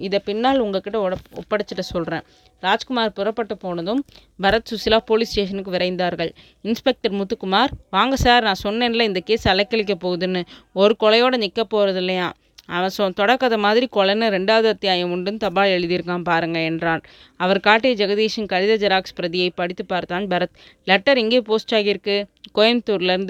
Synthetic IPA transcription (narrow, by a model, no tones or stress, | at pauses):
ɪðɐpɪnːaːlʊŋɡɐkɪʈːɐɔɽɐɔ̰pːɐɽɐt͡ʃːɯʈːɐsɔlrẽː | ɾaːd͡ʒkʊmaːɾpʊɾɐpːɐʈːɐpoːnɐðɯm | bɐɾɐt̪sʊsɪlaːpoːlisʈeːʂ̬ɐnɯkːɯʋɪɾɐɪnd̪aːɾɣɐɭ | ɪnspɛk̚ʈɐɾmʊt̪ːɯkːɯmaːɾʋaːŋɡɐsaːɾnãːsɔnːeːnɐlɐɪnd̪ɐkeːsɐlɐkːɐɭɪk̬ːɐpoːɣɯðɯnːɯɔɾɯkɔlɐjoːɽɐnɪkːɐpːoːɾɐðɪlːɐjãː | ɐʋɐsɔ̃t̪ɔɽɐkːɐðɐmaːðɪɾikɔɭɐnːɯɾɛɳɖaːʋɐðɯɐt̪ːɪjaːjɐ̃ʊɳɖɯnt̪ɐbaːɭɛɻɯðɪɾɯkːãːnpaːɾɯŋɡɐɛndraːn | ɐʋɐɾkaːʈːijɐd͡ʒɐɣɐðiːʂɯnkɐɻɪðɐd͡ʒɐɾaːkspɾɐðɪjɐɪpɐɽɪt̪ːɯpːaːɾt̪aːnbɐɾɐt̪ | lɛʈːɐɾɛŋɡeːpoːsʈaːɣɪɾɯkːɯkɔjɐnt̪ːuːɾlɐɾɯnd̪